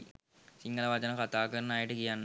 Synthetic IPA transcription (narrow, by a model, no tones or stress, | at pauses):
siŋɡɐlɐʋɐd͡ʑɐnɐkɐt̪ːaːkːɐɾɐnaːjiʈːɨkijaːn